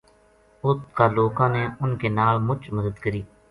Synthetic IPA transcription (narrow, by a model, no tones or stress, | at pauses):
ʊskaːloːkãːneːʊnkeːnaːlmʊt͡ʃməd̪əd̪kəɾiː